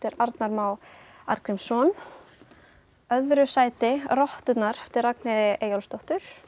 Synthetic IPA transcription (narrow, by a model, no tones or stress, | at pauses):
t̪ɪɾaɾt̪naɾmaːw | aɾkɾɪmsɔn | œðɾʏsaːjt̪ɪrɔht̪ʏt̪naɾɛft̪ɪɾraknɪðɪʔeːjɔlst̪ɔht̪ʏɾ̥